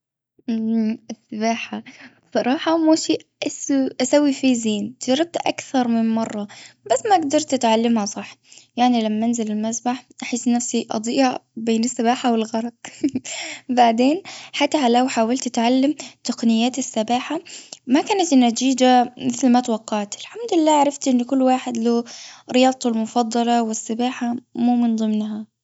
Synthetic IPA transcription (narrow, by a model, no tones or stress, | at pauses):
ɪsːabaːħa | sˤɑɾˤɑːħɑmuːʃiːʔasʔasawːifiːziːnt̪d͡ʒɑɾˤːɑb̚t̪ʔa̰kθɑɾˤmɪnmɑrˤːɑb̥asːmaʔɡd̪ɑɾˤt̪ɪt̪ʕalːamhasˤɑħjaʕnilamːanzɪlɪlmasbaħʔaħɪsːnafsiʔɑ̰d̪ˤiːʔhabeːnɪsːabaːħawɪlɣɑɾˤɑt̪̚ | baʕd̪eːnħat̪ːaɦalawħaːwalt̪ɪt̪ʕalːamt̪aqnɪjːaːt̪ɪsːɑbaːħamakaːnat̪nːat̪iːd͡ʒamɪθlmat̪wɑqːɑʕt̪ɪlħamd̪ɪlːaːʕaɾˤɑft̪ʔɪnːkʊlːwaːħɪd̪loːɾɪjɑːd̪ˤt̪almʊfɑd̪ˤːɑlɑwɪsːɪbaːħamuːmɪnd̪ˤɨmnɦa